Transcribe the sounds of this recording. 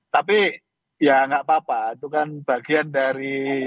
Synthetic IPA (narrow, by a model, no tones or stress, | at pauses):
t̪api | jaŋɡaʔpapait̪ukanb̥aɡiandaɾi